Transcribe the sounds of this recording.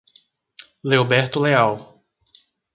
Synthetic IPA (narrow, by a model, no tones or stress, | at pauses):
leobɛɾt̪ʊleaw